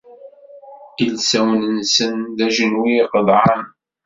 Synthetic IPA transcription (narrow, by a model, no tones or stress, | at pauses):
ilsæwnənsənðæʒənwiqəðˤʕɑn